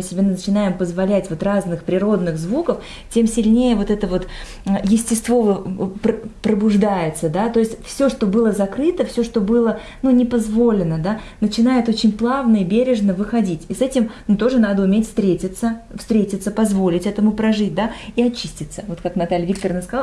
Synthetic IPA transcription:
ɨsʲɪbʲenət͡ɕɪnajɪmpəzvɐlʲætʲvo̞t̪raznɨxpɾʲɪɾo̞d̪nɨɣzvukəf | tʲe̞msʲɪlʲnʲejəvo̞t̪ɛt̪əvo̞t̪ | jɪsʲtʲɪst̪vo̞vəpəpɾəbʊʐd̪ajɪt̪səd̪at̪o̞ɪsʲtʲfsʲo̞ʂt̪o̞bɨlˠəzɐkɾɨt̪əfsʲo̞ʂt̪o̞bɨlˠə | nunʲɪpɐzvo̞lʲɪnəd̪a | nət͡ɕɪnajɪt̪o̞t͡ɕɪnʲplˠavnəibʲeɾʲɪʐnəvɨxɐdʲitʲisɛtʲɪmnut̪o̞ʐɨn̪ad̪əʊmʲetʲfst̪ɾʲetʲɪt̪səfst̪ɾʲetʲɪt̪səpɐzvo̞lʲɪtʲɛt̪əmʊpɾɐʐɨt̚ʲd̪aiɐt͡ɕːisʲtʲɪt̪səvo̞t̪kaknɐt̪alʲvʲik̚t̪ərnəskɐzalˠ

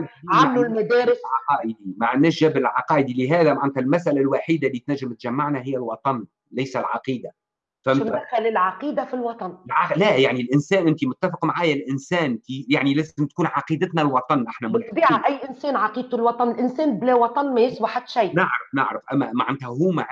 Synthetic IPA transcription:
ʕamlulmæd̪æːɾɪsʕɑqɑːʔəd̪imaʕanːæːʃʒæblɪlʕɑqɑːʔəd̪iliɦæːðæmaʕant̪ælmæsʔælælwaħiːd̪alːiːt̪næʒːəmt̪ʒamːaʕnæɦɪjːælwɑt̪ˤɑn | læjsælʕɑ̰qiːd̪a | fæʔ̪aælɪlʕɑqiːd̪afilwɑt̪ˤɑnʕalæjaʕnilʔɪnsæːnʔɪnt̪imʊt̪ːæfɪqmaʕaːjælʔɪnsæːntijaʕnilæːzzɪmt̪̚kuːnʕɑqiːd̪ət̪nælwɑt̪ˤɑnʔaħnæmbiːʕaʔæjːʔɪnsɛːnʕɑqiːd̪̚t̪ulwɑt̪ˤɑnɪlʔɪnsɛːnblɛwɑt̪ˤɑnmæjɪsbaħat̪ːʃæjnəʕɾəfnəʕɾəfʔæmːæmaʕant̪hæɦuːmaʕ

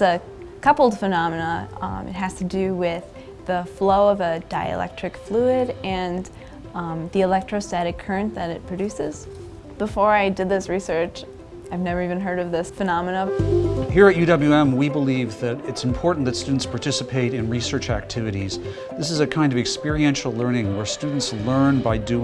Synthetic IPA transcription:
ə | kʰʌpl̩ˠd̥fɨnɑmɨnəɨ̰t̚ɦɨz̥tʰɨdɨwɪð | əfloʊʌvədaɪɨ̰lɛ̰k̚tɹ̥ɨkfluɪɾɨ̃n | ðiɨlɛk̚tɹ̥oʊstæɾɨkʰɜ˞ɨ̃nðɨɾɨt̚pʰɹ̥ɨdʉsɪz̥ | b̥əfɔɹaɪdɨd̪̚ðɪsɹisɜ˞t͡ʃ | aɪvnɛvə˞ivɨ̃nɦɜ˞ɾʌvðɪsfɨnɑmənəhiɹɨt̚jʉɾʌbljʉɛ̃mwibəlivðɨɾɨtsm̩pʰɔɹʔn̩ðɨtstʉdⁿn̩tspʰɑɹtʰɪsɨpʰeɪɾɨ̃nɹisɜ˞t͡ʃæk̚tʰɪvɨɾiz̥ | ðɪsɨzɨkʰãɪ̃ndʌvɨkspɪɹiɛ̃nʃl̩ˠlɜ̃˞nɪ̃ŋwə˞stʉdⁿn̩tslɜ̃˞nbaɪdʉ

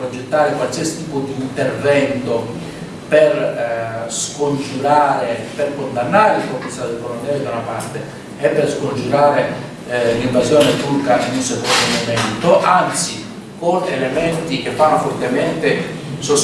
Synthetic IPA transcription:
pɾod͡ʒet̪ːaːɾekwalsiasi̥t̪iːpod̪iːnt̪ervɛnt̪o | per | skond͡ʒuɾaːɾeperkond̪anːaːɾeilpɔkːist̪ːad̪ikolant̪ɛːɾid̪awnapart̪eː | pːerskond͡ʒuɾaːɾe | liɱvazjɔːnet̪urkaʔinisekond̪onomɛnt̪oʔant̪si | konelemɛnt̪ikefːanːofɔrt̪emɛnt̪e | sos

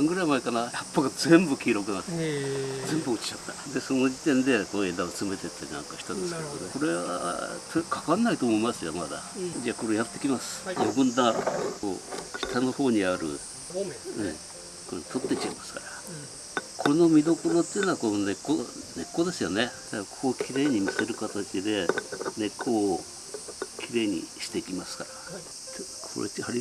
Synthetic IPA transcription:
ãŋɡɯ̟ɾaimaikanaçapːaɡazẽ̞mbɯ̟kʲiːɾo̞kɯ̟nat̪ | zẽ̞mbɯot͡ɕi̥t͡ɕat̪ːḁd̪e̞sono̞d͡ʑit̪ẽ̞nd̪e̞koed̪aot͡sɨme̞t̪et̪ːaɾʲnã̰ŋkaçi̥t̪onesk̪ko̞ɾe̞βa̰t̪ʰokʰḁkanːait̪oːmo̞imasɨjomad̪a̰d͡ʑako̞ɾejat̪ːe̞kʲimasɨ̥jobɯ̟̃nd̪aɾ̰ko̰ːçi̥t̪ano̞ho̞ːɲ̟iaɾɯ̟̰ | ɯ̃ | kot̪ʰo̞t̪ːet͡ɕaimasɨ̥kaɾa | kʰono̞mʲid̪o̞konot̪ːenoakonone̞kːone̞kːo̞d̪e̞sɨjo̞ne̞d̪akʰo̞ːkʲiɾe̞ːɲimʲise̞ɾɯ̟kat̪at͡ɕid̪e̞ne̞kʰːo̞ː | kʲiɾe̞ːɲ̟ḭɕi̥t̪e̞ikʲimasɨ̥kaɾa | t̪ | kʰo̰ɾḛhaɾʲi

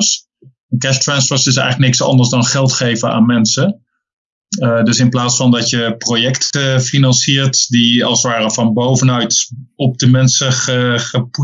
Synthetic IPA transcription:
s | ɛnkɛʃtɹɛnsfɔɹsɪs̬ɛ̰jχələk̚nɪksɑ̰ndəɹzdɑnχɛlˠtχejvəna̰ːnmɛnsə | dɵsɪnplaːtsfɑndɑtjəprojɛktʰəfinɑnsiːɹtdiɑ̰lˠsʋaːrəvɑnbowvənœɥtɔp̚dəmɛnsəχəχəpu

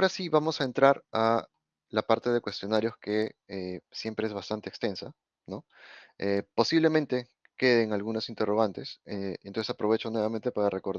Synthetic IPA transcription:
ɾasiβamo̞sae̞nt̪ɾaɾa | lapaɾt̪e̞ð̞ekwe̞st̪jo̞naɾjo̞ske̞esje̞mpɾe̞e̞zβast̪ant̪eːkst̪e̞nsa | no̞ | epo̞siβle̞mẽ̞nt̪e̞ | ke̞ð̞eŋalɣunosint̪e̞roɣ̞ant̪e̞seeno̞nsesapɾo̞βe̞t͡ʃo̞nwe̞β̞amẽnt̪e̞paɾare̞ko̞ɾð

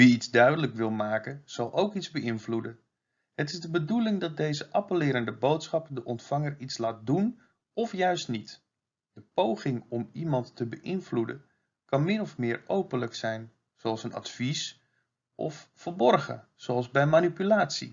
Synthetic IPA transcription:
ʋiitzdœɥdələkʋɪlˠmaːkəz̥ɑlˠʔowkizbəʔɪnvludə | ɦətɪzdəbədulɪŋdɑt̚dejzəʔɑpəlɪːɾəndəbowtsχɑpdəʔɔntfɑŋəritslaːt̚dun | ɔfjœɥstnit | d̥əpowχɪŋɔmimɑntːəbəʔɪnvludə̰ | kɑnmɪnɔfmɪːɹowpənləksɛjn | z̥oɑlˠsənɑ̰tfis | ʔɔ̰fːərbɔrɣə̰z̥oɑlˠzbɛjmanipylaːtsḭ

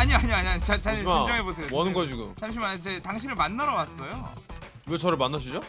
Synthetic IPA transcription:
aɲiaɲiaɲiaɲit͡ɕat͡ɕaind͡ʑʌŋebosʰe̞joʌnɯɡʌd͡ʑiɡumt͡ɕaɕ̬ʰimat͡ɕetaŋɕʰinɯɭmanːʌɾʌwas͈ʌjo | wet͡ɕʌɾɯɭmanːaɕʰid͡ʑo

